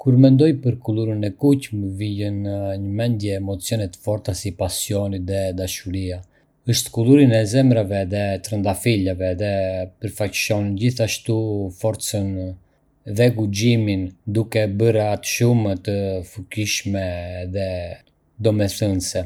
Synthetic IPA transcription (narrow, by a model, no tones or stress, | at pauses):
kuɾmɛnd̪ɔjpəɾkulˠuɾənɛkucməvijənɲəmɛnd̪jɛːmɔt͡sijɔnɛt̪ə̥fɔɾθasipasjɔnit̪ðɛd̪aʃuɾia | əʃt̪kuluɾinɛzɛmɾavɛðɛt̪ɾənd̪afilavɛðɛpəɾfacʃɔnind͡ʑiθaʃt̪ufɔɾt̪t͡sən | ðɛɡud͡ʑimind̪ukɛbəɾat̪ʃumt̪əfukiʃmɛðɛ | d̪ɔmɛθənsɛ